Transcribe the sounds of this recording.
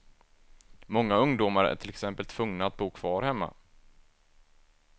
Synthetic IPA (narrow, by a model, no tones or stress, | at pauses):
mɔŋːaɵŋd̪ʊmaɾæ̰ʈʰɪlɛksɛmpəlt̪ʰv̥ɵŋnaat̪̚buːkʰv̥ɑːɾhɛmːa̰